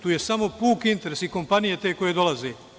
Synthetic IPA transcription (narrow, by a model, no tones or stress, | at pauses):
t̪uːje̞samo̞puːkint̪e̞ɾesiko̞mpanije̞t̪e̞ːko̞je̞d̪o̞lazeː